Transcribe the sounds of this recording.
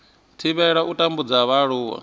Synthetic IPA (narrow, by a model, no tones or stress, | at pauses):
tʰiβɛɺaʔutʼambud͡zaβaɺuːwa̰